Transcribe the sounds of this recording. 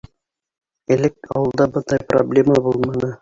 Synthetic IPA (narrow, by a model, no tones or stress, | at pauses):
ɘ̆lɘk̚ɑ̰wɤ̆lˠd̪ɑbɤnd̪ɑjpro̰blʲemɑbulˠmɑnɤ